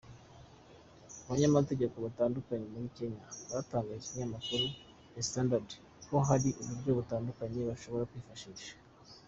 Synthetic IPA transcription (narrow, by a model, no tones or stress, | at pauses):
aβaɲamate̞ɟe̞ko̞βataːndukaɲe̞muɾike̞ɲaβataːŋɡajit͡ʃiiɲamakuɾu | jestandad | ko̞ɦaɾiʔuβuɾɟo̞βutaːndukaɲe̞βaʃo̞βo̞ɾakwiːfaʃiːʃḁ